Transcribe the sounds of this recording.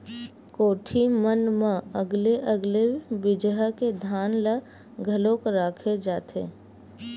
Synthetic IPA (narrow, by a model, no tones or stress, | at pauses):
koːʈʰimənmãəɡleʔəɡlebɪd͡ʒɦəked̪ʱaːnlə | ɡʱəlõkɾaːkʰed͡ʒaːt̪ʰḛː